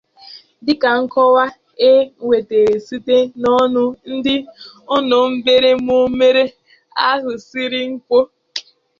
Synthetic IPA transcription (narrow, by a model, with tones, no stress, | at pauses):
dɪ˦ka˨ŋ̩˦kɔ˦wa˦ | e˦ŋʷe˨te˨ɾe˨si˦te˦nɔ˦nʊ˦n̩˦dɪ˦ʊ˦nʊ˨m̩˦be˦ɾe˦mu˦me˦ɾe˦ | a˦ɦʊ˨si˦ɾi˦ŋ̩˦kʷo˦